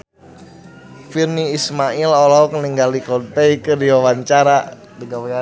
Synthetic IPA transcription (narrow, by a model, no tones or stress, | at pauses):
firniːsmailolakəniŋɡalikɔnpeikərdiwawaɲt͡ʃaɾa | dəɡawia